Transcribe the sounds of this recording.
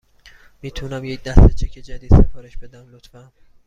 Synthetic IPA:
miːt̪ʰunæmjec̚d̪æset͡ʃʰecʰed͡ʒæd̪iːd̪sefʰɒːɾeʃbe̞d̪æmlot̪fæn

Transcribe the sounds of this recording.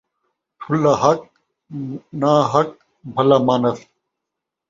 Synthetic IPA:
ʈʰʊlːaɦɐk̚ | naːɦɐk̚ | bʱɐlaːmaːnɐs

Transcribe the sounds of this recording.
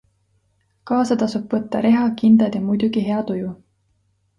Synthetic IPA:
kɑːsɑt̪ɑsubvɤt̪ːɑɾe̞ɦɑkind̪ɑd̪jɑmujd̪̥uɡ̥iɦe̞ɑt̪uju

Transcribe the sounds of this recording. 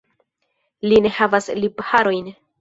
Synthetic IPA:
line̞havaslibhaɾo̞jn

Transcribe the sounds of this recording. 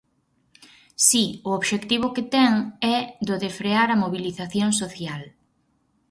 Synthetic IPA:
siʊoβʃekt̪iβ̞ʊket̪ɛŋɛd̪oðefɾeaɾɐmoβiliθaθjoŋsoθjal

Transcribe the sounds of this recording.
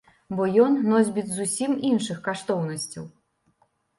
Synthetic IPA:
bɔjɔnːɔzʲbʲit͡s̪ʲzusʲiminʂɨxkaʂt̪ɔwnɐsʲt͡sʲɐ̰w

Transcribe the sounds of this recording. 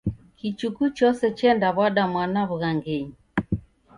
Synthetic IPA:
kit͡ʃukut͡ʃɔsɛt͡ʃɛndaβwaɗamwanaβuɣaŋɡɛɲi

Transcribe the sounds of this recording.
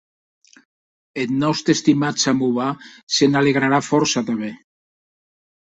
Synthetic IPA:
et̪nɔwst̪est̪imat͡samuβasenaleɣɾaɾafɔɾsat̪amβe

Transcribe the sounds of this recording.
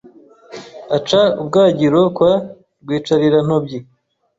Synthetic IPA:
at͡ʃaubɡaːɟiɾokwa | ɾɡwiːt͡ʃaɾiɾan̥obɟi

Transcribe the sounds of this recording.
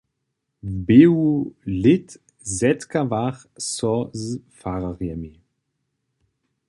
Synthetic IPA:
vbeːwulɪt | zɛt̪kavaχ | sɔzfaʁaʁjɛmi

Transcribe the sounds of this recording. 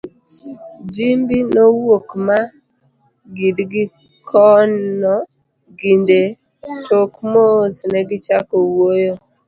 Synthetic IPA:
d͡ʒimbinowokma | ɡidɡi | kʰɔnɔ | ɡinde | tʰokmosnɛɡɪt͡ʃakowojo

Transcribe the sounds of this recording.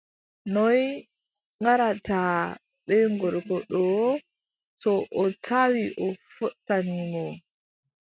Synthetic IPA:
nɔj | ŋɡaɾatʰaː | ɓɛŋɡɔɾkɔɗɔ | tɔʔɔtʰawiʔɔfɔtːanimɔ

